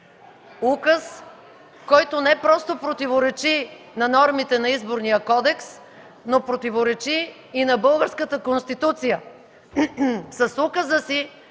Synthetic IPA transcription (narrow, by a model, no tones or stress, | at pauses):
ukəs | kɔjt̪onɛpɾɔst̪opɾot̪ivoɾɛt͡ʃi | nɐnɔɾmit̪ɛnɐizboɾnijəkɔd̪ɛks | nopɾot̪ivoɾɛt͡ʃiː | nɐbɤlˠɡəɾskət̪əkonst̪it̪ut̪sijə | sɐsukəzəsi